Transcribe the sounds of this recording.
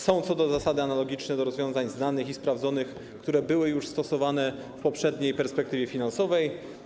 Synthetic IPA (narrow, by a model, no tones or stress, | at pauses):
sɔ̃w̃t̪sɔd̪ɔzasad̪ɘanalɔɡʲit͡ʂnɛd̪ɔɾɔzvʲɔ̃zaɲznanɘxispɾavd̪zɔnɘx | kt̪uɾɛbɘwɘjuʂst̪ɔsɔvanɛ | fpɔpʂɛd̪ɲejpɛɾspɛkt̪ɘvʲjɛfʲinansɔvɛj